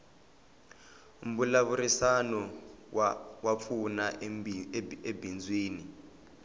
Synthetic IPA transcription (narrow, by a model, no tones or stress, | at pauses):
um̩bulaβuɾisanɔ | wap̪fʰuna | ebʱind͡zʱwiːni